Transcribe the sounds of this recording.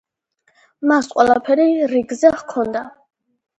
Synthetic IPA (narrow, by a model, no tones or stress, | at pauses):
masqʼwɛlˠapʰɛɾiɾiɡzɛhkʰɔnd̪a